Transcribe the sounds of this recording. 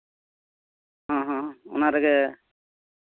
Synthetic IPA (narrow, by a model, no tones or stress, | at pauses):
ɦãɦãʊ̰naɾɛɡɛ